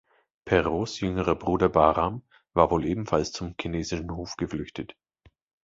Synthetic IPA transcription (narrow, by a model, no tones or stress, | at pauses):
pʰɛʁoːsjʏŋəʁɐbʁuːdɐbaːʁam | vaːɐvoːlʔeːbm̩falst͡sʊmkʰineːzɪʃn̩hoːfɡ̥əflʏçtʰət